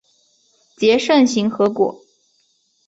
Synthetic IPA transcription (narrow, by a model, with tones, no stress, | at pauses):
t͡ɕjɛ˧˥ʂə˥˩nɕi˧˥ŋxɤ˧˥kwɔ̰˨˩˦